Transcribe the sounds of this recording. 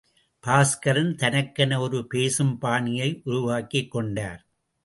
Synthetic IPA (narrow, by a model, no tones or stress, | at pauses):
paːskɐɾɪnt̪ɐnɐkːɐnɐɔɾɯpeːsɯmpaːɳɪjɐɪʔʊɾʊʋaːkɪkːɔɳɖa̰ːɾ